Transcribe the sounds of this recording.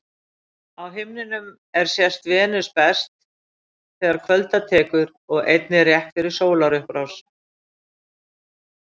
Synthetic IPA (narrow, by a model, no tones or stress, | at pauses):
awɦɪmnɪnʏm | ɛɾ̥sjɛst̪vɛːnʏspɛst̪ | θɛːɣaɾkʰvœlt̪at̪ʰɛːkʏɾ | ɔɣejt̪nɪrjɛht̪fɪɾɪ̥soːwlaɾʏhpɾaws